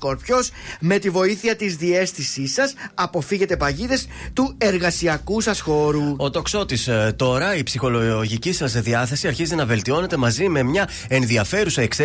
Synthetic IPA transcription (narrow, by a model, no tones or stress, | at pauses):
oɾpçosme̞t̪ivo̞iθiɐt̪izðie̞sθisisɐsɐpo̞fiʝe̞t̪epɐʝiðe̞st̪ue̞ɾɣɐsiɐkusɐsxo̞ɾuo̞t̪o̞kso̞t̪ist̪o̞ɾɐipsixo̞loʝicisɐzðiɐθe̞siɐɾçizenɐve̞lt̪io̞ne̞t̪e̞mɐzime̞mɲɐ | e̞nðiɐfe̞ɾusɐekse